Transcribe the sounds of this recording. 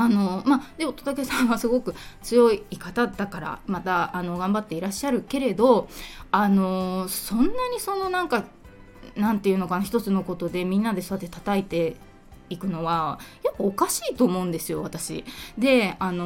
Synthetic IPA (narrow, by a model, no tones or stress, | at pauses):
ano̞mad̪̥e̞ot̪ot̪ake̞sãɰ̃βasɨɡo̞kɯ̟t͡sɨjo̞iːkat̪ad̪akaɾa̰mat̪aːno̞ɡãmbat̪ːe̞iɾaɕːaɾɯ̟ke̞ɾe̞d̪o̞ano̞sõ̞nːaɲ̟iso̞no̞nãŋka | nãnt̪e̞iɯ̟no̞kanaçi̥t̪o̞t͡sɨno̞ko̞t̪o̞d̪e̞mʲĩnːad̪e̞soat̪ːe̞t̪at̪ait̪e̞ | ikɯ̟no̞βajokːɯːkaɕiːt̪o̞ːmo̞ɯ̟̃nd̪e̞sɨjo̞βat̪aɕḭd̪e̞ano̞